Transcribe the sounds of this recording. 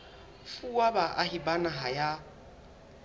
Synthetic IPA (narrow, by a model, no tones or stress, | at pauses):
fuwabaʔahibanaɦaja